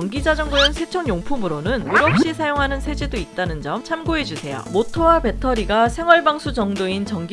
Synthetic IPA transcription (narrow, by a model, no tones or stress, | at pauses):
ŋɡid͡ʑad͡ʑʌŋɡoɯnsʰet͡ɕʰʌŋjoŋpʰumɯɾonɯnjuɾʌp̚ɕ͈isʰajoŋɦanɯnsʰe̞d͡ʑedoit̚t͈anɯnd͡ʑʌmt͡ɕʰamɡoɦe̞d͡ʑusʰe̞jʌ̰motʰowabe̞tʰʌɾiɡasʰe̞ŋwʌɭbaŋsʰud͡ʑʌŋdoint͡ɕʌŋɡ